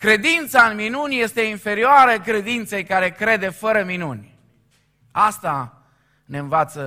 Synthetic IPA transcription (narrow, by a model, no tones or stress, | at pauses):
kɾe̞d̪int̪saɨnminunʲje̞st̪e̞infe̞ɾioaɾəkɾe̞d̪int̪se̞jkaɾe̞kɾe̞d̪e̞fəɾəminunʲ | ast̪a | ne̞ɨnvat̪sə